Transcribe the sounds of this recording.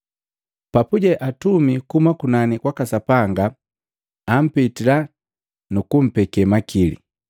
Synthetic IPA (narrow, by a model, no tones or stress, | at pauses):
papuɟɛʔatumikumakunanikwakasapaŋɡaː | m̩pitila | nukum̩pɛkɛmakʰilḭ